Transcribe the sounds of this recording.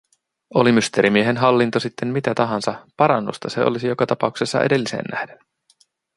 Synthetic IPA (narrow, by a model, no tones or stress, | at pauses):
o̞limyst̪e̞ɾimieɦenɦɑlːint̪osit̪ʰːe̞mmit̪æt̪ɑɦɑnsɑpɑɾɑnːṵst̪ɑse̞o̞̰lisijo̞kɑt̪ɑpɑukse̞sːɑ̰ʔḛde̞lːise̞̰ːnːʔæ̰hden